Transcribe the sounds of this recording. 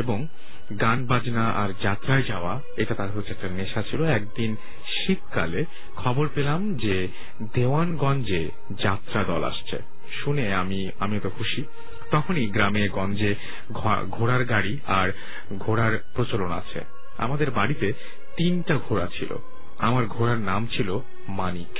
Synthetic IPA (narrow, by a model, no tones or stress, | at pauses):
eboŋ | ɡanbad͡ʑnaʔa̰ɾd͡ʑat̪ːɾaed͡ʑaoa | eʈat̪aɾɦoɛk̚ʈaneʃat͡ɕʰiloɛk̚d̪in | ʃit̪kale | kʰɔboɾpelamd͡ʑe | d̪ewanɡɔnd͡ʑe | d͡ʑat̪ːɾad̪ɔ̰la̰ʃt͡ɕʰḛ | ʃuneami | amiɛt̪okʰuʃi | t̪ɔkʰoniɡɾameɡɔnd͡ʑe | ɡʱoɽaɾɡaɽi | aɾ | ɡʱoɽaɾpɾot͡ɕolona̰t͡ɕʰḛ | a̰mad̪eɾbaɽit̪e | t̪inʈaɡʱoɽat͡ɕʰilo̰ | amaɾɡʱoɾaɾnamt͡ɕʰilo | manik